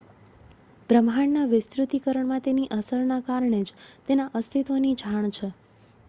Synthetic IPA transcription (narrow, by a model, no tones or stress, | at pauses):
b̥ɾəmɦaɳnaʋɪst̪ɾut̪ikəɾəɳmãt̪eniʔəsəɾnakaɾɳ̃ed͡ʒt̪enaʔəst̪ʰit̪onid͡ʒʱaɳ̃t͡ʃʰe